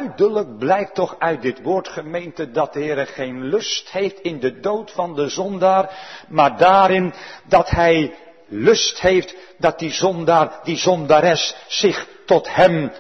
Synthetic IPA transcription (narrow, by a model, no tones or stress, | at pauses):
ɥdələk̚blɛjk̚tɔχœɥt̚dɪtʋʊːɹtχəmejntədɑt̚dəɦɪːɾəχejnlɵsthejftɪndədowtfɑndəzɔndaːrmaːɹdaːɾɪndɑtɦɛj | lɵsthejft | dɑt̚dizɔndaːrdizɔndaːɾɛsːɪχtɔthɛm